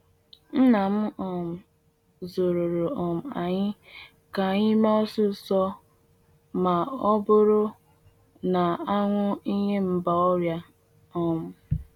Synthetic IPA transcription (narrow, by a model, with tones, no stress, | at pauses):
n̩˦na˨m̩˦ɔ˨m̩˨ | zo˨ɾo˨ɾo˨ɔ˨m̩˨a˨ɲɪ˦ | ka˨ɲɪ˦ma˦ɔ˦sʊ˦sɔ˦ | ma˨ɔ˦bʊ˦ɾʊ˦ | na˨a˦ŋʷʊ˦i˦ɲe˦m̩˦ba˨ɔ˦ɾja˦ | ɔ˦mʊ˨